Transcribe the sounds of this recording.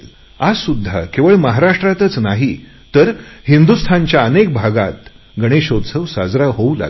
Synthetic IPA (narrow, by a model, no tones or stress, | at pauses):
azsud̪ʱːa̰keʋəɭməɦaɾaʂʈɾat̪ət͡snaɦi | t̪əɾhind̪ust̪ʰãɲt͡ɕjaənek̚bʱaɡa̰t̪ | ɡəɽ̃eɕod̪səʋsad͡zɾaɦoula̰ɡ